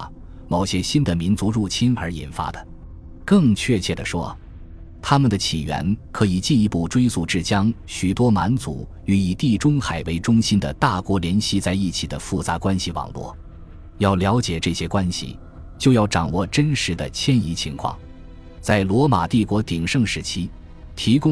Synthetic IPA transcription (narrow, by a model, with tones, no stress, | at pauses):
mo˨˩ʊɕjɛ˥ɕi˥nd̪ə˨mi˧˥nt͡su˧˥ɻu˥˩t͡ɕʰi˥nə˞˧˥ḭ˨˩nfa̰˥d̪ə˩ | kɤ˥˧ŋt͡ɕʰɥɛ˥˧t͡ɕʰjɛ˥˩d̪ə˩ʂwɔ̰˥ | t̪ʰa˥mə˨nd̪ə˩t͡ɕʰḭ˨˩ɥɛ̰˧˥nkʰɤ˧˥i˨˩t͡ɕi˥˩i˧˥pu˥˩ʈ͡ʂwe˥ɪsu˥˧ʈ͡ʂɻ̩˥˩t͡ɕjɑ˥ŋɕy˨˩t̪wɔ˥ma˧˥nt͡sṵ˧˥ | y˧˥i˨˩t̪i˥˩ʈ͡ʂʊ˥ŋxa˨˩ɪwe˧˥ɪʈ͡ʂʊ˥ŋɕi˥nd̪ə̰˨t̪a˥˩kwɔ˧˥ljɛ˧˥nɕi˥t͡sa˥˧ɪi˥˩t͡ɕʰi˨˩d̪ə̰˦fu˥˩t͡sa˧˥kwa˥nɕi˨wɑ̰˨˩ŋlwɔ̰˥˩ | jɑ˥˩ʊljɑ˧˥ʊt͡ɕjɛ˨˩ʈ͡ʂɤ˥˩ɕjɛ˥kwa˥nɕḭ˨˩ | t͡ɕjo˥˧ʊjɑ˥˩ʊʈ͡ʂɑ˨˩ŋwɔ˥˩ʈ͡ʂə˥nʂɻ̩˧˥d̪ə˧t͡ɕʰjɛ˥ni˧˥t͡ɕʰi˧˥ŋkʰwɑ̰˥˩ŋ | t͡sa˥˩ɪlwɔ˧˥ma˨˩t̪i˥˩kwɔ˧˥t̪i˨˩ŋʂɤ˥˧ŋʂɻ̩˧˥t͡ɕʰi˥ | t̪ʰi˧˥kʊ˥